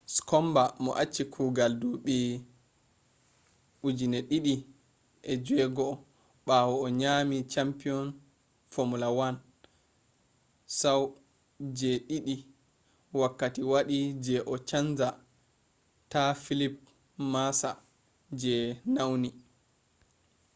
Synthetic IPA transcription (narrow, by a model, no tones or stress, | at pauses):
skɔmbamɔ̰ʔat͡ʃːikʰuɡalduɓɛ | ʔud͡ʒinɛɗiɗi | ʔɛd͡ʒɛɡɔ | ɓawɔːɲaːmit͡ʃampiɔn | fomulawan | saw | d͡ʒɛɗiɗi | wakːatiwaɗid͡ʒɛʔɔt͡ʃand͡ʒa | tafilip̚ | masa̰ | d͡ʒɛnawni